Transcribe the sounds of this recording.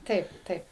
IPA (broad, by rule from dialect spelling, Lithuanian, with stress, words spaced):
ˈtɐɪp ˈtɐɪp